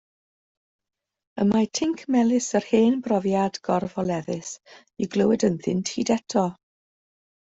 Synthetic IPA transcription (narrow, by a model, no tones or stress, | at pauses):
əmatʰɪŋkʰmɛlˠɪsərheːnbrɔvjadɡ̥ɔrvɔlˠɛðɨs | iɡləwɨdənθɪnthidɛtʰɔ